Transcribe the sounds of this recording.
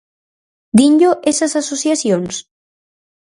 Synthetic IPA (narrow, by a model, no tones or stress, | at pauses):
d̪iɲʎoʔesasasosjasjons